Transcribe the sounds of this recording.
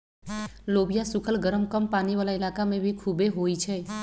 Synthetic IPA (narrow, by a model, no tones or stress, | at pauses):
lobijasʊkʰəlɡəɾəmkəmpaniʋalailakamẽbʱikʰubeɦoit͡ʃʰe